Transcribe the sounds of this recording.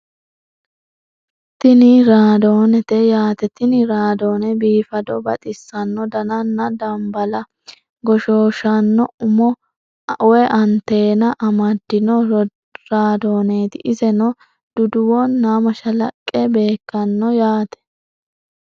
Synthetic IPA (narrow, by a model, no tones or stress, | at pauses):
t̪ɪnɪɾaːd̪oːnɛt̪ɛjaːt̪ɛt̪ɪnɪɾaːd̪o̞ːnɛbiːfɐd̪ɔbɐ̰t̪ʼɪsːɐnːɔd̪ɐnɐnːɐd̪ɐmbɐlɐ | ɡɔʃoːʃɐnːɔʊmɔ | ʔʊwɛʔɐnt̪e̞ːnɐʔɐmɐd̪ːɪnɔ | ɾaːd̪o̞ːneːt̪ɪʔɪzɛnɔ | d̪̥ʊd̪ʊwɔnːaːmɐʃɐlɐkʼːɛbe̞ːkːɐnːɔjaːt̪ɛ̥